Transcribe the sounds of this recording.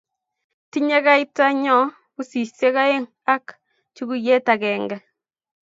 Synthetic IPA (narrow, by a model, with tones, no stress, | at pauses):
ti˦ɲɛ˦ka˦i˦ta˦ɲɔ˦ | ku˦si˨se˦ka˦e˦ŋ | a˦k | t͡ʃu˦ɡu˦jɛ˦ta˨kɛː˨ŋɡɛ˨